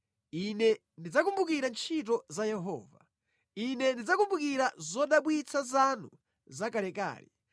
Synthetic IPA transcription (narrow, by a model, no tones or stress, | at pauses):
inɛ | ndid͡zakumbukiɾant͡ʃʰit̬ɔzajɛɦɔ̰ːva | inɛndid͡zakumbukiɾazɔɗaɓwit͡sʰazanu | zakalɛka̰ːlḭ